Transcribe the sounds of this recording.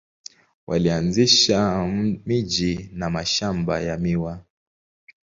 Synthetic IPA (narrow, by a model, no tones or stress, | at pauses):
wʔa̰lianziʃamiʄinamaʃamba̰jamiwa